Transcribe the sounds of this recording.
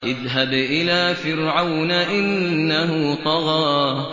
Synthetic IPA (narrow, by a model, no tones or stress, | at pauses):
ʔɪðɦabʔɪlaːfɪɾʕawnaʔɪnːahʊt̪ˤɑɣɑː